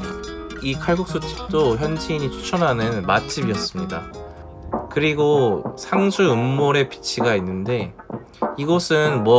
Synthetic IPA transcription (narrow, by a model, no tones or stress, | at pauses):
ikʰaɭɡuk̚s͈ot͡ɕʰi̥p̚t͈oçjʌnd͡ʑʰiːɲit͡ɕʰu̥t͡ɕʰʌnɦanɯnmat͡ɕ͈ʰibiʌs͈ɯmɲida | kɯɾiɡosʰaŋd͡ʑʰuɯmːoɾe̞pi̥t͡ɕʰiɡainːɯnde̞ | iɡʌsʰɯnmwʌ